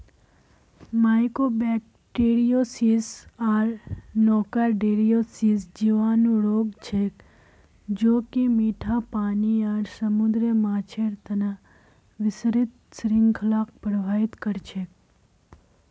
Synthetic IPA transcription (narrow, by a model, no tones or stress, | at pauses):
maːjkoːbɛːk̚ | ʈeːɾijoːsiːsaːɾnɔːkaɾɖeːɾijoːsiːsd͡ʒiʋaːnuɽoːɡt͡ʃʰeːk | d͡ʒoːkimiːʈʰapaːniaːɾsɐmud̪ɾəmaːt͡ʃʰeːɾt̪ɐna | ʋɪsɾɪt̪sɾɪ̃ŋɡkʰəlaːk̚pəɾʋʱaːɪt̪kɐɾt͡ʃʰeːk̚